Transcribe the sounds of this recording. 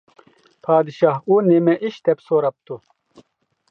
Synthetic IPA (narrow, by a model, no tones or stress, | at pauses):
pʰaːd̪iʃaːhuːnemɛʔiʃt̪ɛpsoːɾɐp̚t̪u